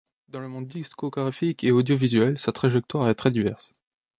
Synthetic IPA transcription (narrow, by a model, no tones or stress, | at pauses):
d̪ɑ̃ləmɔ̃d̪ːiskoɡaʁifikʰeod̪jovizɥɛlsat̪χaʒɛk̚t̪waʁɛt̪χɛd̪ivɛʁs